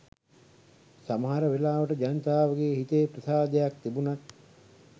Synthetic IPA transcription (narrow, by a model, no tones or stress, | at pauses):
saməɦaɾəʋelaːʋəʈəd͡ʒanət̪aːʋəɡeːɦit̪eːprəsaːd̪əjak̚t̪ibunat̪̚